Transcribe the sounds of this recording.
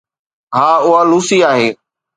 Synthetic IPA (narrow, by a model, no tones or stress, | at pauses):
ɦaːʊɦaluːsiaːɦeː